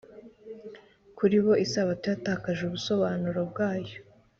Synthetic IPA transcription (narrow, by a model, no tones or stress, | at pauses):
kuɾiβo̞isaβatujataːkaʒuβuso̞βaːnuɾob̚ɡaːjo̞